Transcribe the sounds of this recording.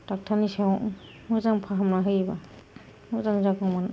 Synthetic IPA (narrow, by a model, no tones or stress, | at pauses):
tak̚tʰanisaw̃ | muzaŋpʰaɦamnaɦɯjba | muzaŋzakaman